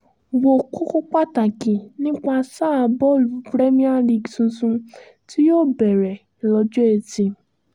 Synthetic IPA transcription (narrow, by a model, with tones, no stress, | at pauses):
wo˨ko˦ko˦k͡pa˦˨ta˨kĩ˨nĩ˦k͡pa˧sa˦˨˧bɔ˦˨lu˨˦bɾe˦mĩ˦a˦li˧˨ɡsũ˧sũ˧ | ti˦joː˦˨bɛ˨ɾɛ˨lɔ˧d͡ʒu˦e˧˨tĩ˧